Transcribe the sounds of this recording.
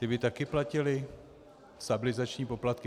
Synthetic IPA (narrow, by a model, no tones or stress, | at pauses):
t̪ɪbɪt̪akɪplacɪlɪ | st̪abɪlɪzat͡ʃɲiːpo̞plat̪̚kɪ